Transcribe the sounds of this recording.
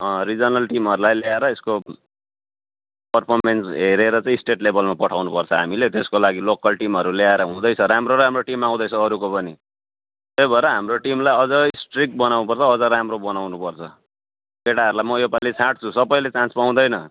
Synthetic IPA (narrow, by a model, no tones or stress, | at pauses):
ʌ̃rid͡zʌnʌlʈimɦʌɾulajleaeɾʌesko | pʌrpʰʌrmensɦeɾeɾʌt͡sãĩsʈeʈlebʱʌlmapʌʈʰawnupʌrt͡sʰʌɦamilet̪eskolaɡilokʌlʈimɦʌɾuleaeɾʌɦũd̪ʌjt͡sʰʌɾamroɾɦamroʈimaw̃d̪ʌjt͡sʰʌːɾukopʌni | t̪ejbʱʌeɾʌɦamroʈimlajʌd͡zʌisʈrik̚bʌnawnup̬ʌrt͡sʰʌːd͡zʌɾamrobʌnawnupʌrt͡sʰʌ | keʈaɦʌɾulajmʌjopalet͡sʰaʈ̚t͡sʰũsʌbʌjlet͡sãnt͡spaw̃d̪ʌjnʌ